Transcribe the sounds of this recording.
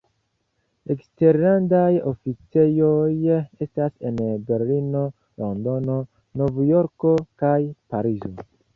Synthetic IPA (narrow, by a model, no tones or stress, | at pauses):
ekste̞ɾandajo̞fit͡se̞jo̞je̞stase̞nbe̞ɾlino̞ | lo̞ndo̞no̞ | novjo̞ɾko̞kajpaɾizo̞